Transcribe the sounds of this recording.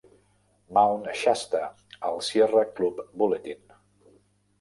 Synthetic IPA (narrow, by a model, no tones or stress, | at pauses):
mawnʃast̪ə | əlˠsjerəklupbulet̪in